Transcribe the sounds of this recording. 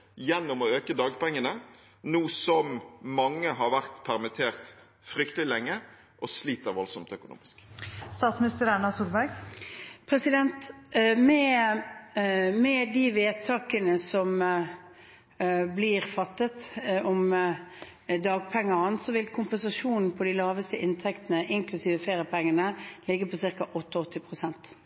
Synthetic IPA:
jɛnːɔmɔøːkəd̪ɑːɡpɛŋːənə | nuːsɔmmɑŋːəhɑɾʋæʁt̪pʰæʁmɪt̪ʰeːʁt̪ | fɾʏk̚t̪əlɪlɛŋːə | ʔɔsliːt̪əɾʋɔlsɔmt̪œkʊnṵːmɪskst̪ɑːt̪smɪnɪst̪əɾæɳɑsuːɾbæɡ | pʰɾɛsɪd̪ɛnt̪mɛ | mɛd̪iʋeːd̪̚t̪ʰɑːkənəsɔm | bliːʁfɑt̪ːət̪ɔm | d̪ɑːɡ̚pʰɛŋːɑʁənsɔʋɪlkʰʊmpɛnsɑʂuːnn̩pʰɔd̪ɪlɑːʋəst̪əʔɪnt̪ʰɛkt̪ənəʔɪŋklʉsiːʋəfeːɾəpʰɛŋːənəlɪɡːəpʰɔsɪʁkɑʔɔt̪ːəɔt̪ʰːɪpʰʁʊsɛnt̪

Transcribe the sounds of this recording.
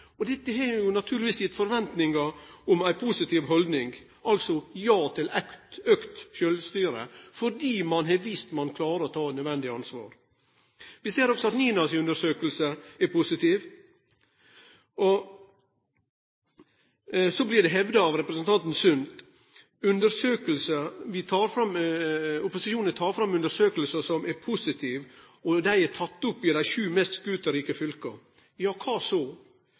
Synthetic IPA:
ɔd̪ɛt̪ːəɦɛɾjʊnɑt̪ʰʉːlʋiːsɪt̪fɔɾʋɛnt̪nɪŋɡɑɔmæɪpʰusɪt̪ʰɪːʋɦɔld̪nɪŋɡ | ɑlsɔjɑːt̪ʰɪlɛkt̪økt̪ʃøːlst̪yːɾə̰fɔɖiːmɑnɦɛʋist̪mɑnkʰlɑːɾəɔt̪ʰɑːt̪nœd̪ʋɛnd̪ɪɑnsʋɑ̰ːɾ | ʋɪseːɾɔksɔɑt̪niːnɑsʉnd̪əʂøːkəlsəɛɾpʰʊsɪt̪ʰiʋ | ʔɔ | sɔblɪd̪ɛɦɛʋd̪əɑʋɾɛpɾəsənt̪ʰɑnt̪n̩sʉnt̪ | ʉnd̪əɾsøːkəlsəʋɪt̪ʰɑːɾfɾɑm | ʊpʊsɪʃuːnət̪ʰɑːɾfɾɑmʉnd̪əʂøːkəlsəsɔmɛɾpʰʊsɪt̪ʰiːʋ | ɔd̪æɪæt̪ʰɑt̪ːʊpːɪd̪æɪʂʉːmɛst̪sɡʉːt̪əɾiːkəfʏlkə | jɑːkʰɑːsoː

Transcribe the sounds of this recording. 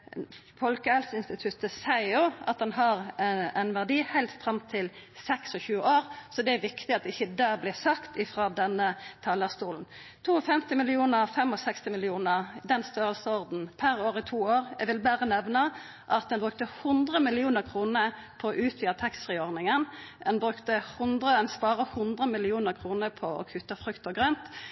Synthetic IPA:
fɔlkəɛlsɪnst̪ɪt̪ʰʉt̪əsæɪjʊɑt̪̚d̪ɛnɦɑʁɛɪnʋæʁd̪iːhæɪlt̪st̪fɾɑmt̪ʰɪlsɛksɔçʉːəʔoːʁsɔd̪ɛæʋɪkt̪ɪɑt̪̚d̪ɛɪçəd̪æːʁblɪsɑkt̪ɪfʁɑːd̪ɛnːət̪ʰɑːləst̪uːln̩t̪ʰuːɔfɛmt̪ɪmɪlɪuːnəʁfɛmɔsɛkst̪ɪmɪlɪuːnəʁd̪ɛnst̪øːʁəlsəɔʁd̪n̩pʰæʁoːʁɪt̪ʰuːoːʁɛʋɪlbæːʁənɛʋnɑ | ʔɑt̪̚d̪ɛnbʁʉk̚t̪əhʊnd̪ʁəmɪlɪuːnəʁkʰʁuːnə | pʰɔɔʔʉːt̪ʰʋiːət̪ʰɑksʁɛːɔʁnɪŋənɛnbʁʉkt̪əhʊnd̪ʁəɛnspɑːʁəhʊnd̪ʁəmɪlɪuːnəʁkʰʁuːnəpʰɔɔ̰kʰʉt̪ːəfɾʉkt̪ɔɡʁœnt̪

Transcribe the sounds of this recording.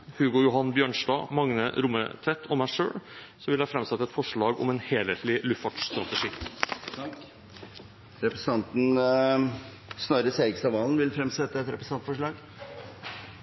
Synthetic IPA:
hʉːɡʊjʊɦɑnbjøːɳʂʈɑ̰ːmɑŋnə̰ɾʊmːə̰t̪ʰɾɛt̪ʰːɔmæɪʂø̰ːɽ | sɔʋɪljæɑfɾɛmsɛt̪ːəɛt̪fɔʂɭɑːɡɔ̰mɛnheːleːt̪lɪlʉfɑʈst̪ɾɑt̪əʂiː | ɾɛpɾəs̩ʰɑnt̪n̩ | snɑɾəseːɪɡsɑʋɑːln̩ʋɪlfɾɛmsɛt̪ːəɛt̪ɾɛpɾəsɑnt̪fɔʂɭɑːɡ

